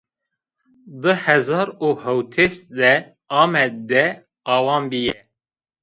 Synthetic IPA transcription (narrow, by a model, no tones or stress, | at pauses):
d̪ɨhɛzɑːɾuhɛwt̪ʰesd̪ɛ | ɑːmɛd̪d̪ɛ | ɑːwɑːnbijɛ